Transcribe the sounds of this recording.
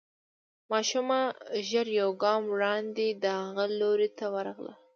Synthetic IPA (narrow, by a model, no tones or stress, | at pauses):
mɑʃumaʒəɾjawɡɑmwɽɑnd̪ed̪əhaɣaloɾet̪ʰawəɾɑɣla̰